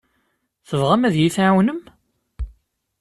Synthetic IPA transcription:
θəvʁæmæðjiθʕawnəm

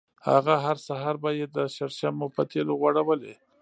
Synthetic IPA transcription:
ha̰ɣaɦaɾsaɦɑɾbajed̪əʃaɾʃamopət̪ʰeloɣwaɽawəle

